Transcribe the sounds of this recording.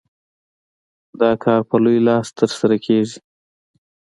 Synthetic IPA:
d̪ɑːkʰɑːɾpəlujlɑːst̪əɾsaɾakʰezi

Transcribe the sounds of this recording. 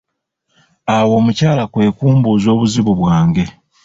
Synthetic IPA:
awo̞ːmucaːlakwe̞ːkuːmbuzo̞ːβuziβuβwaːŋɡe̞

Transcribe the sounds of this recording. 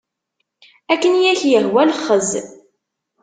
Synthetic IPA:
ækːənjæçjəɦwælχəz

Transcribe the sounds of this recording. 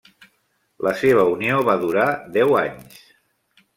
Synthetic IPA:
lʔəseβ̞əunioβaðuɾad̪ɛwaɲs

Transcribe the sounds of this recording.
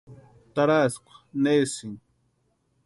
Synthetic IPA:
t̪aɾaskʷḁnesiŋ

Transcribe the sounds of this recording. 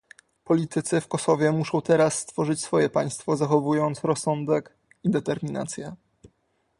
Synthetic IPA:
pɔlʲit̪ɘt̪sɘfkɔsɔvʲjɛmuʂɔ̃w̃t̪ɛɾasːt̪fɔʐɘt͡ɕsfɔjɛpaj̃st̪fɔzaxɔvujɔnt̪sɾɔsːɔnd̪ɛk | id̪ɛt̪ɛɾmʲina̰t̪sʲjɛ

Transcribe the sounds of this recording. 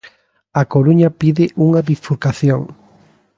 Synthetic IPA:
akoɾuɲɐpiðɪʔuŋɐβifuɾkaθjoŋ

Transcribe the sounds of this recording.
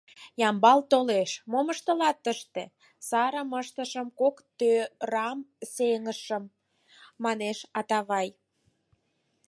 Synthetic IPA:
jɑmbɑlt̪oleʃmoməʃt̪əlɑt̪ːəʃt̪e | sɑɾəməʃt̪əʃəmkokt̪øɾɑmseŋəʃəmː | ɑneʃɑt̪ɑβɑj

